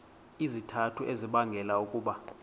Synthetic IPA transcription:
izitʰatʰuʔeziɓaŋɡʱɛlaukʼuːɓa

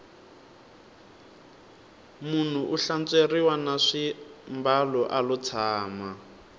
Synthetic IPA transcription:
mun̤uʔuɬant͡sʼeriwanaʂimbalɔʔalut͡sʰaːma

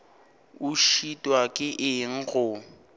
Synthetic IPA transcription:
ʊʃitʼwakʼɪʔɪŋ̩ɣʊ

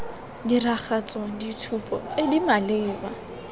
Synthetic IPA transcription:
dirak͡xat͡sʼɔditʰupʼɔ̰t͡sʼedimalɪːba

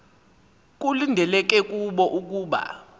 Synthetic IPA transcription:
k̬ʼulindʱɛlɛk̬ʼɛk̬ʼuɓɔʔuk̬ʼuːɓa̰

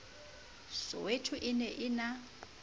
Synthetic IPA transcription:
sɔ̰wetʰuʔɪnɛʔɪna

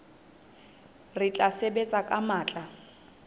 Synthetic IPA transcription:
rɪt͡ɬʼasebet͡sʼakʼamaːt͡ɬʼa

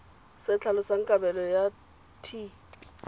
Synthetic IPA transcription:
sɪt͡ɬʰalɔsaŋ̩kʼabɛlɔja | tʰi

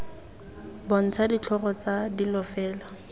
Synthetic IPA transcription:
bɔn̩t͡sʰadit͡ɬʰɔrɔt͡sadilɔfɛːla

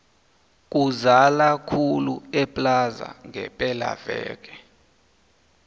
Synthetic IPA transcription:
k̬ʼuzalakʰuluɛpʼlaza̰ŋʱɛpʼɛla̰vɛ̰ːk̬ʼɛ̥

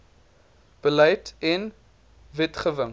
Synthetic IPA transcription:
b̥əlɛjtɛn | vɛtχəvəŋ

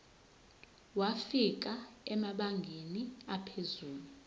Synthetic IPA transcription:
wafik̬ʼaɛmaɓaŋɡʱeniapʰezuːlu

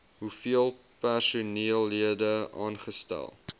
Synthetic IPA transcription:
ɦufiəlˠ | pærsuniəlˠːiədəɑ̰ːnχəstæ̰lˠ

